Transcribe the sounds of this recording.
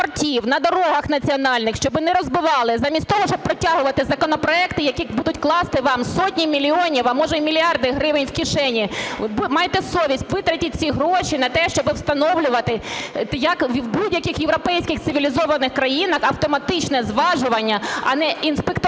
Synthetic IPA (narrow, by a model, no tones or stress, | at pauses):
rtʲiwnɐd̪ɔɾɔɦɐxn̪ɐt͡sʲiɔnɑlʲnɪxʃt͡ʃɔbɪnɛɾɔzbɪʋɑlˠɪzɑmʲisʲt̪ʲɔɦɔʃt͡ʃɔb̚pɾɔtʲɑɦʊʋɐt̪ɪzɐkɔnɔpɾɔɛkt̪ɪjɐkibud̪ʊtʲklˠɑst̪ɪʋɑmsɔtʲnʲimʲilʲiɔnʲiwɐmɔʒɛmʲilʲiɑrd̪ɪɦɾɪʋɪnʲwkʲiʃɛnʲibmɑjet̪ɛsɔʋʲisʲtʲʋɪt̪ɾɐtʲit̚ʲt͡sʲiɦɾɔʃinɐt̪ɛʃt͡ʃɔbɪwst̪ɐnɔwlʲʊʋɐt̪ɪjɐkʋʲwbudʲjɐkʲɪxjewɾɔpɛjsʲkʲɪxt̪ɪʋʲilʲizɔʋɐnɪxkɾɐjinɐxɐwt̪ɔmɐt̪ɪt͡ʃnɛzʋɑʒʊʋɐnʲːɐɐ̰nɛinspekt̪